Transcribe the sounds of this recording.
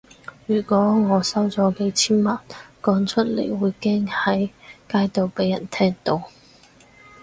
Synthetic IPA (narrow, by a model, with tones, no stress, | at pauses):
jyː˨˩kʷɔː˨˥ŋɔː˨˧sɐ˥wt͡sɔː˨˧˥ke˨˥jt͡sʰiː˥nmɐ˨nkɔː˨˥ŋt͡ʃʰɵ˥t̚lḛ˨˩jwuː˨˧jkɛː˥ŋhɐ˨˥jkaː˥jt̪o˨˧wpe˨˥jɐ̰˨˩nt̪ʰɛː˥ŋt̪o˧w